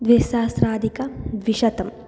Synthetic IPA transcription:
d̪ʋeːsaːsɾaːd̪ʱikɐd̪ʋiʃɐt̪ɐm

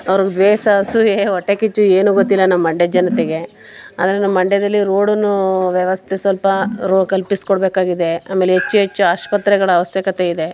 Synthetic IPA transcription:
ɐʋɐɾuɡd̪ʋɛːsɐɐsueɔʈːekit͡ʃːueːnuːɡot̪ːilːɐnɐmːɐɐɳɖɛd͡ʒɐnɐt̪eɡe̞ | a̰ːd̪ɐɾenɐmːɐɐɳɖɛd̪ɐlːiɾoːɽunuʋjɐʋɐst̪ʰesʋɐlpɐɾoːkɐlpiskɔɽbeːkaːɡid̪e̞a̰ːme̞ːleɦet͡ʃːuɦet͡ʃːuaːʃpɐt̪ɾɛɡɐɭɐːʋɐsjɐkɐt̪eid̪e̞

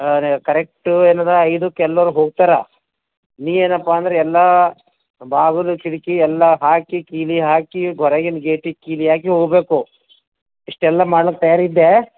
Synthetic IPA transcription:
nkɐɾek̚ʈueːnɐnd̪ɾeɐjd̪ukɛlːɐɾuɦoːɡ̚t̪aːɾa | niːʋe̞ːnɐpːaɐnd̪ɐɾeɛlːa | bʱaːɡɐlukiɽikiɛlːɐɦaːkikiːliɦaːkiɡʱɔɾeɡenɡeːʈikiːliɦaːk̬iɦoːɡbe̞ːku | iʂʈɛlːɐmaːɽɐlokːet̪ɐjaːɾid̪ːe

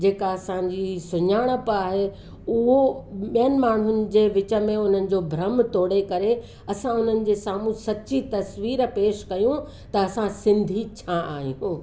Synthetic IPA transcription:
d͡ʑeːkaɐsãd͡ʑisʊɲaːɽ̃əpaːɦe | ʊɦoɓijənɪ̆maːɳ̤ʊnɪ̆d͡ʑeːʋɪt͡ɕə̆mẽʊn̤ənɪ̆d͡ʑobʱɾɐmt̪oːɽekɐɾe | ɐsãʊn̤ənɪ̆d͡ʑeːsaːmũsɐtːt͡ɕit̪ɐsʋiːɾpeːʃkɐjũ | t̪ɐɐsãsɪ̃nd̪ʱit͡ɕʰaaːɦiũː

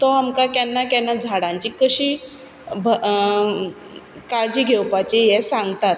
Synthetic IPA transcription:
t̪ɔamkakɛnːakɛnːad͡zʱaɽãɲt͡ɕiːkəɕiː | b | kaɾd͡ʑiːɡʱewpat͡ɕejɛsãŋɡt̪at̪̚

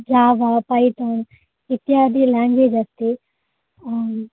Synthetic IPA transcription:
d͡ʒaːʋapait̪oːn | ɪt̪iaːd̪ilɛ̃ːŋɡʋed͡ʒɐst̪e

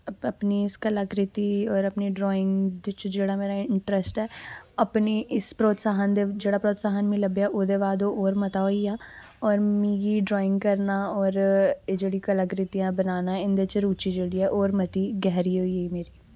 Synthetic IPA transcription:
ɐpniɪskɐləɡɾɪt̪iɔːɾɐpniɖɾɔːɪ̃ŋɡd̪t͡ʃd͡ʒeːɽameːɾaɪɳʈɾəsʈɦɛːɐpniʔɪspɾoːt̪saːɦənd̪ed͡ʒeːɽapɾoːt̪saːɦənmĩlɐbjaʔoːd̪eːʋaːd̪oʔɔːɾmɐt̪aɦoːiaː | ɔːɾmiːɡiɖɾɔːɪ̃ŋɡkɐɾnaɔːɾd͡ʒeːɽikɐləɡɾɪt̪ijãbɐnaːnaɪ̃nd̪et͡ʃɾuːt͡ʃid͡ʒeːɽiɦɛʔoːɾmɐt̪iɡɛɦɾiɦoːieimeːɾiː

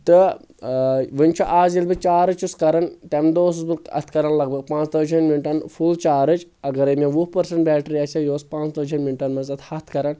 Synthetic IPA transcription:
t̪ɨ | ʋɨnʲt͡ʃʰuʔaːzilbɨt͡ʃaːɾɨt͡ʃuskɐɾɐnt̪emd̪oːs̬usbɨɐ̰t̪ʰkɐɾɐnlɐɡ̚bɐɡ̚pãːt͡ʃt̪ɐd͡ʒɐnminʈɐnfʰult͡ʃaːɾɨt͡ʃɐɡɐɾɐmẽʋupɐɾsɐɳʈbʲɛːʈɾiɐsɐjoːspãːt͡ʃt̪ɐd͡ʒʰɐnmiɳʈɐnmɐzɐt̪ʰhɐt̪ʰkɐɾɐn

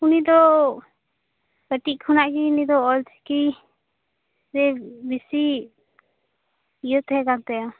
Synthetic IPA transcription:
unid̪ɔ | kəʈiʔ̚kʰunaʔkiunid̪ɔɔlt͡ʃʰki | ɾɛbisi | ijət̪ɦɛkant̪ɛja

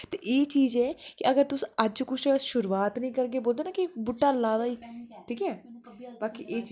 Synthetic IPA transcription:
t̪eʔeːt͡ʃiːzɛːkɪəɡəɾt̪ʊsĩːəd͡ʒkʊt͡ʃʰʃʊɾuːaːt̪nəĩːkəɾɡeːboːld̪eːnaːkibʊʈːaːlaːd̪aːiːʈʰiːkɛːbaːkḭʔeːt͡ʃ

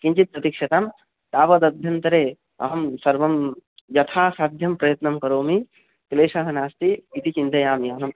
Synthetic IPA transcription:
kint͡ʃit̪̚pɾɐt̪ikʃɐt̪am | t̪aːpɐd̪ɐd̪ʱjɐnt̪ɐɾe | ɐ̰ɦɐmsɐɾʋɐmd͡ʒɐt̪ʰaːsad̪ʱjɐmpɾɐjɐt̪nɐmkɐɾoːmi | kleːsɐɦɐnaːst̪iʋit̪it͡ʃint̪ɐjaːmiɐɦɐm

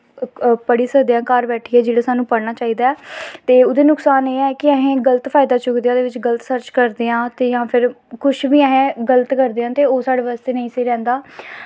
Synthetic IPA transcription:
pəɽiːsəd̪jãːkaːɾbɛːʈʰːiːɛːd͡ʒeːɽaːsaːnũːpəɽnaːt͡ʃaːiːd̪aːɛːt̪eːʊd̪eːnʊksaːneːɛːkɪəɦẽːɡələt̪pʰaːɪd̪aːt͡ʃʊkd̪eãːd̪eːʋɪt͡ʃɡələt̪səɾt͡ʃkəɾd̪eːãːt̪eːjãːpʰɪɾ | kʊʃʰʋiːəɦẽːɡələt̪kəɾd̪eãːt̪eːoːsaːɽaːʋəːst̪eːnəĩːseːɾɛ̃ːnd̪aː

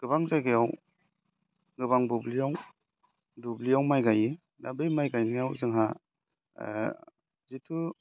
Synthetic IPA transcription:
ɡ̥ɯbaŋzajɡɯjaw | ɡɯbaŋbublijaw | dublijawmajɡaji | nabɯjmajɡajnijawzɯŋɦa | zitʰu

